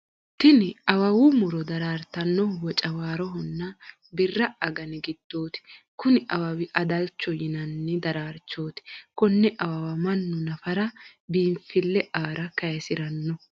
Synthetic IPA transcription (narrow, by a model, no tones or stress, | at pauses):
t̪ɪnɪɐwɐwʊmʊɾɔd̪ɐɾaːɾt̪ɐnːɔwɔt͡ʃʼɐwaːɾɔɦɔnːɐ | bɪrːɐʔɐɡɐnɪɡɪd̪̥ːo̞ːt̪ɪ̥kʊnɪʔɐwɐwɪʔɐd̪ɐlt͡ʃːɔjɪnɐnːɪd̪ɐɾaːɾt͡ʃːo̞ːt̪ɪ̥kɔnːɛʔɐwɐwɐmɐnːʊnɐfɐɾɐ | biːmfɪlːɛʔaːɾɐkɐjɛsɪɾɐnːɔ